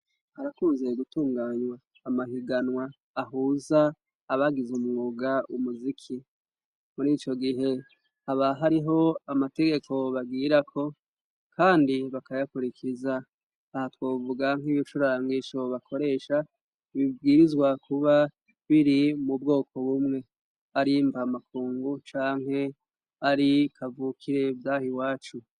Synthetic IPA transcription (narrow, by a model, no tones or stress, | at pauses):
haɾakuːnzeɡutuːŋɡaːɲwaː | mahiɡanwaː | ɦuzaː | βaɡizumŋuːɡaumuzikʰi | muɾit͡ʃo̞ɡiɦe̞ | haβaɦaɾiɦo̞amate̞ɡe̞kʰo̞βaɡiːɾakʰo̞ | kʰaːndiβakajakuɾikʰizaː | hatwoːvuɡaŋ̥iβit͡ʃuɾaːŋɡiʃo̞βakʰo̞ɾe̞ːʃa | βivɡiːɾizɡwakuβa | βiɾimubɡo̞ːkʰo̞βumŋe̞ | aɾimvamakʰuːŋɡut͡ʃaːŋ̥ɦe̞ | aɾikʰavuːkʰiɾe̞vdaːhiwaːt͡ʃu